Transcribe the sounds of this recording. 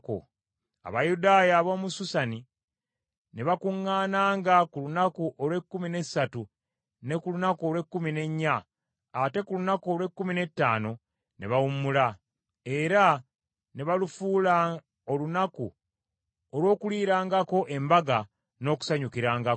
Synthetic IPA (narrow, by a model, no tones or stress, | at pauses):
ko̰ | a̰βajudaːjaβo̞ːmususani | ne̞βakuŋːaːnaːŋɡakulunakuʔolwe̞kːumine̞satu | ne̞kulunakuolwe̞kːumine̞ɲːaː | te̞kulunakuo̞lwe̞kːumine̞tːa̰ːno̞ | ne̞̰βawumula | e̞ɾa | ne̞βalufuːla | olunaku | olwo̞ːkuliːɾaːŋɡako̞ʔe̞mbaɡa | no̞ːku̥saɲukiɾaːŋɡa